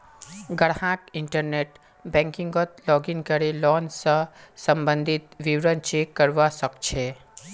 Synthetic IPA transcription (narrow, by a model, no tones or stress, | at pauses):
ɡəɽhãʈɪɳʈəɾneʈ | bɛ̃ŋkĩŋɡot̪lɔːɡinkəɾelɔːnsə̃səmbə̃nd̪ʱit̪ʋiwɾənt͡ʃekːəɾʋasəkt͡ʃʰe